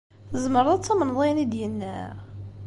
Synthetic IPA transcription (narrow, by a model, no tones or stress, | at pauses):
θəzməɾˤɑt͡sːæmənðˤenid̪jənːæ